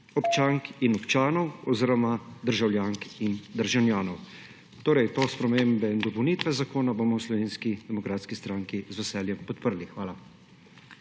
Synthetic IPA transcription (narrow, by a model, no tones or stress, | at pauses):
ɔpt͡ʃaŋkinɔpt͡ʃaːnɔwɔziːɾɔmad̪əɾʒawljaːŋkind̪əɾʒɛwnjaːnɔw | t̪oːɾɛjt̪ospɾɛmembɛind̪ɔpɔwnit̪ʋɛzakoːnabomɔwslɔʋeːnskid̪ɛmɔkɾaːt̪skist̪ɾaːŋkizʋɛsɛːljɛmpɔt̪pəɾlixʋaːla